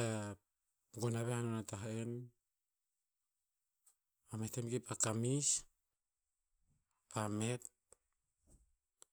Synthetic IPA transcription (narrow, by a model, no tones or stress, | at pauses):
a | ɡonaβehanonataɦen | ametemɡepakamis | pame̞t̚